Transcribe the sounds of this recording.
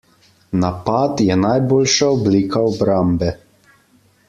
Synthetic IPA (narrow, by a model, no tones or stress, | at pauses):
napat̪jɛnajboːlʃaɔbliːkaɔbɾambɛ